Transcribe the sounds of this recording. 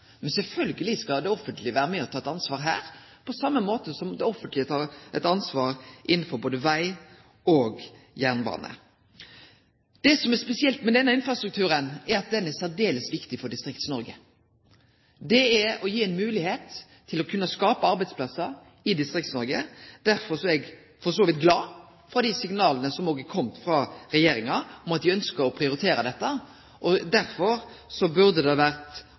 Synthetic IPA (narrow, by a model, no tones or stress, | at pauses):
mɛnsɛlfœlɡəlɪskɑd̪ɛɔfːənt̪ʰlɪʋæːɾəmɛɔt̪ʰɑːɛt̪ɑnsʋɑːɾɦæ̰ːɾ | pʰɔsɑmːəmoːt̪əsɔmd̪ɛɔfənt̪lɪət̪ʰɑːɾɛ̰t̪ɑnsʋɑːɾʔɪnn̩fɔɾboːd̪əʋæɪ | oːɡjæʁnbɑ̰ːnʔə̰ | d̪̥ɛsɔmɛɾspɛsɪɛlt̪mɛd̪ɛnːəɪnfɾɑst̪ɾʉk̚t̪ʰʉːɾənɛɾɑt̪̚d̪ɛnːɛsæɖ̪eːləsʋɪkt̪ɪfɔɖɪst̪ɾɪkt̪snɔɾɡə | d̪ɛːɾɔjiːɛnmʉːlɪheːt̪ʰː | ɪlɔkʰʉnːəskɑːpəɑɾbæɪd̪spʰlɑsəɾ | ɪd̪ɪst̪ɾɪkt̪snɔɾɡəd̪̥æɾfɔɾsɔɛɡ | fɔsoːʋɪt̪ɡlɑː | fɾɑd̪ɪsɪŋnɑːlənəsɔmoːɡəkʰɔmt̪fɾɑɾɛjeːɾɪŋɑɔmɑt̪̚d̪ɪœnskəɾɔpʰɾɪʊɾɪt̪ʰeːɾɑd̪ɛt̪ːə | ʔɔd̪æɾfɔɾsɔbʉɾd̪əd̪ɛɑʋæɾt̪